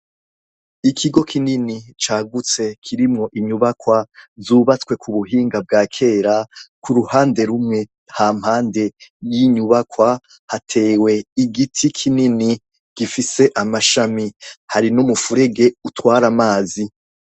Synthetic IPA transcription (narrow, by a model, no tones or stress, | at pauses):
ikʰiɡo̞kʰininit͡ʃaːɡut͡se̞kʰiɾimŋo̞ʔiɲuβakwazzuːβat͡swe̞kʰuβuɦiːŋɡab̚ɡaːkʰe̞ːɾakuɾuhaːnde̞ɾumŋe̞ | haːm̥haːnde̞jiɲuβakwa | hatʰe̞ːwe̞iɡitʰikʰinini | ɡ̥ifise̞ʔamaʃamihaɾinumufuɾe̞ɡe̞utwaːɾamaːzi